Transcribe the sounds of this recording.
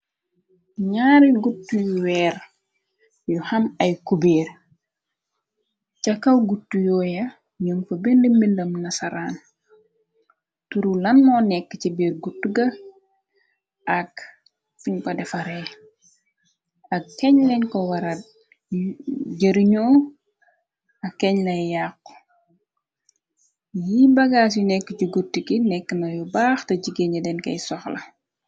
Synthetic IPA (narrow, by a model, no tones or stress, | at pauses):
ɲaːɾiɡutːujuwɛːɾ | juhɐmɐjkubeːɾ | cɐkɐwɡutːujɔjɐ | ɲuŋfɐbendəmbindɐmnɐsɐɾaːn | tuɾulɐnmɔnɛkːət͡ʃibeɾɡutːuɡɐ | ʔɐk | fuɲkɐdɛfɐɾɛl | ɐkɛɲlɛɲkɔwɐɾɐ | ɟɐɾiɲɔː | ɐkːɛɲlɐjjaːkː | jibɐɡaːs̬junɛkːəcuɡutːikinɛkːənɐjubaːxtɐɟiɡeɲɐdɛnkɐ̰jsɔxlɐ